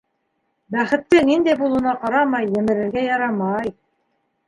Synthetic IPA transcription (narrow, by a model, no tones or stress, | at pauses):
bæχɘ̆t̪ːɘnind̪æjbulˠŭnɑqɑɾɑmɑjːɘ̆mɘ̆ɾɘ̆ɾɡæjɑɾɑmɑj